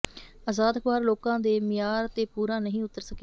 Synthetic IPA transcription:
azaːd̪kʋaːɾloːkãːd̪eːmɪjaːɾt̪eːpuːɾãːnəɦĩːʊt̪ːəɾsəkeː

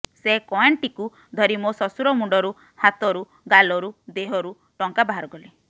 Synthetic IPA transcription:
sekɔeɳʈiku | d̪ʱɔɾimosɔsuɾɔmuɳɖɔɾu | hat̪ɔɾu | ɡalɔɾud̪eɦɔɾu | ʈɔŋkabaɦaɾɔɡɔle

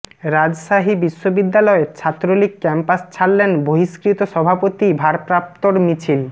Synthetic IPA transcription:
ɾad͡ʑʃaɦibiʃːobid̪ːalɔeɾt͡ɕʰat̪ːɾolikːɛmpast͡ɕʰalːenboɦiʃkɾit̪oʃɔbʱapot̪ibʱaɾpɾap̚t̪oɾmit͡ɕʰil

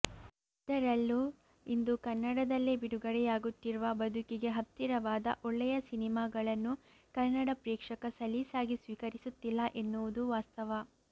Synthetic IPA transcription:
id̪ɐɾɐlːu | ind̪ukɐnːɐɽɐd̪ɐlːebiɽuɡɐɽɛjaːɡut̪ːiɾuʋɐbɐd̪ʱukiɡe̞ɦɐt̪ːiɾɐʋaːd̪ɐ̰ʔɔɭːɛjɐsinimaːɡɐɭɐnːu | kɐnːɐɽɐpɾɛːkʂɐkɐsɐlisaːɡisʋiːkɐɾisut̪ːilːɐʔe̞nːuʋud̪uʋaːst̪ɐʋɐ

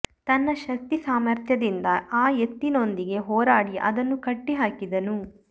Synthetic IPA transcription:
t̪ɐnːɐʃɐkt̪isaːmɐɾt̪ʰjɐd̪ind̪ɐaːjet̪ːino̞nd̪iɡe̞ɦɔːɾaːɽiʔɐ̰d̪ɐnːukɐʈːiɦaːkid̪ɐnu

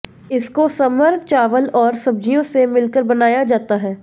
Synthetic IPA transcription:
ɪskosɐməɾd̪ʱt͡ʃaːʋəlɔːɾsɐb̚d͡ʒijõsemɪlkəɾbɐnaːjad͡ʒaːt̪aɦɛː

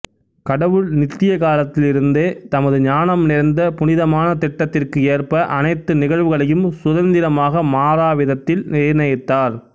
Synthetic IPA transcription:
kɐɽɐʋɯɭnɪt̪ːɪjɐkaːlɐt̪ːɪlɪɾɯnd̪eːt̪ɐmɐðɯɲaːnɐmnɪɾnd̪ɐpʊnɪðɐmaːnɐt̪ɪʈːɐt̪ːɪrkɯeːrpɐʔɐnɐɪt̪ːɯnɪɣɐɭʋɯɣɐɭɐjɯmsʊðɐnd̪ɪɾɐmaːɣɐmaːɾaːʋɪðɐt̪ːɪlnɪɾnɐjt̪ːaːɾ

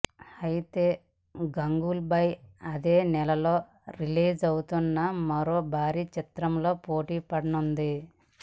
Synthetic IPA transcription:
ɐjt̪eː | ɡɐŋɡulbɐjɐd̪eːnɛlɐlo̞ː | ɾiliːd͡ʒɐwut̪unːɐmɐɾo̞ːbʱaːɾiːt͡ʃit̪ɾɐmlo̞ːpoːʈiːpɐɽɐnund̪i

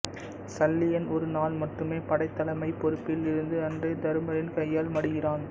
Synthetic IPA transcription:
sɐlːɪjɐnɔɾɯnaːlmɐʈːɯmeːpɐɽɐɪt̪ːɐlɐmɐɪpːɔɾɯpːɪlɪɾɯnd̪ɯɐndreːd̪ɐɾɯmɐɾɪnkɐjːaːlmɐɽɯɣɪraːn

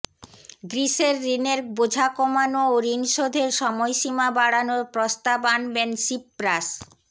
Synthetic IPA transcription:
ɡɾiʃeɾːineɾbod͡ʑʱakomanooɾinʃod̪ʱeɾʃɔmɔjʃimabaɽanoɾpɾost̪abanbensipːɾas

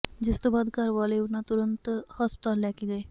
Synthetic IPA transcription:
d͡ʒɪst̪obaːd̪kəɾʋaleʊnat̪uɾənt̪hɔspt̪alːakiɡəe

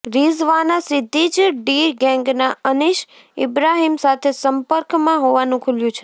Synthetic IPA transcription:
ɾizʋanasɪd̪ʱːid͡ʒɖiɡɛ̃ŋɡnaəniʃ | ɪ̰bɾaɦimsat̪ʰesəmpəɾkmãɦoʋanũkʰuljũt͡ʃʰe

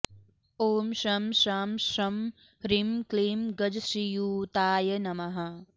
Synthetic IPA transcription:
oːmʃɐmʃaːmʃɐm | ɾimkleːmɡɐd͡ʒʃijuːt̪aːjɐnɐmɐɦɐ

